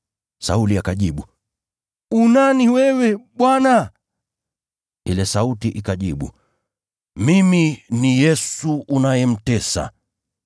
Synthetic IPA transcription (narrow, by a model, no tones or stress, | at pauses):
sa̰uliakaʄiɓu | unaniwɛwɛɓwana | ilɛsautiʔikaʄiɓṵ | miminijɛsuʔunajɛm̩tɛsa̰